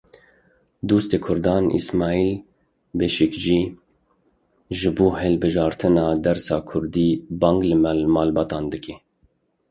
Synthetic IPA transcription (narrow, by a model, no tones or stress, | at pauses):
d̪uːst̪eːkʰʊɾd̪ɑːnḭsmɑːiːl | beʃɪkd͡ʒiː | ʒɨbuːhɛlbɨʒɑːɾt̪ʰɨnɑːd̪ɛɾsɑːkʰʊɾd̪iːbɑːŋɡlɨmɛlmɑːlbɑːt̪ɑːnd̪ɨke